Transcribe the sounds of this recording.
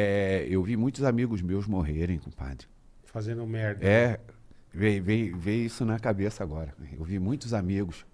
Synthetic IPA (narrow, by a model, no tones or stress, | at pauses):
ɛewvimũj̃t̪ʊzamiɡʊzmewzmoɦeɾẽj̃kõpa̰d̪ɪ | fazẽnd̪ʊmɛɾd̪ɛ | vejvejvejisʊnɐkabesɐaɡɔɾɐḛwvimũj̃t̪ʊzamiɡʊs